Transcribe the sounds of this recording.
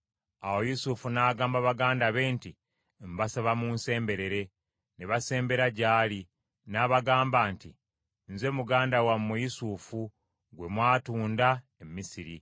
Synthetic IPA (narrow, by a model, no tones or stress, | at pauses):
awo̞jusufunaːɡaːmbaβaɡaːndaβe̞ːnti | mbasaβamunse̞ːmbe̞ɾe̞ɾe̞ | neβase̞ːmbe̞ɾaɟaːli | naːβaɡaːmbaːnti | nze̞muɡaːndawamːujisuːfu | ɡwe̞mwaːtuːnda | emisiɾḭ